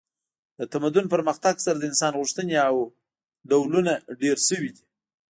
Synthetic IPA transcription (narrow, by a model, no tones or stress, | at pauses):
d̪ət̪amad̪ʊnpəɾməxt̪aɡsaɾad̪əɪnsɑnɣuʂt̪əneaw | ɖawlunaɖeɾʃəwid̪i